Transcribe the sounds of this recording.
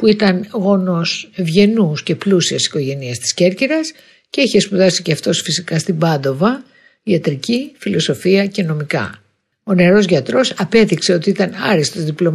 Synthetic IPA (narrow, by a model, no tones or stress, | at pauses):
puit̪ɐnɣo̞no̞sevʝe̞nusce̞plusiɐsi̥ko̞ʝe̞niɐst̪i̥sce̞ɾciɾɐs | ce̞içespuðɐsi̥ceɐft̪o̞sfisikɐst̪ibɐnd̪o̞vɐ | iɐt̪ɾicifilo̞so̞fiɐce̞no̞mikɐ̰ | o̞ne̞ɾo̞zʝɐt̪ɾo̞sɐpe̞ðikse̞o̞t̪iit̪ɐnɐɾist̪ozðiplo̞